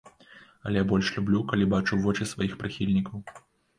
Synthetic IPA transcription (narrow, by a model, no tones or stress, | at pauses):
ɐlʲɛjabɔlʲʂlʲublʲukɐlʲibat͡ʂuvɔt͡ʃisvajixpɾɨxʲilʲnʲikɐw